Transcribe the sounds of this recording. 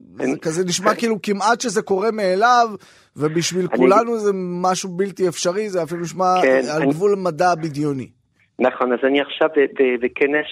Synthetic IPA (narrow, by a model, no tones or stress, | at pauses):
a̰kazeniʃmakiiːlukimat̪ʃeze̞ko̞ʁe̞meːlav | vebiʃvilkulanuzemaʃubilt̪iefʃaʁizeafiluniʃmaealɡvulamadabid̪jonḭ | naχo̞nazaniaχʃavebebekenes